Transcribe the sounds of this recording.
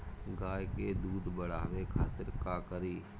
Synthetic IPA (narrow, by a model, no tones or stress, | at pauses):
ɡaːjked̪uːd̪bəɽ̤aːʋekʰaːt̪ɪɾkaːkəɾiː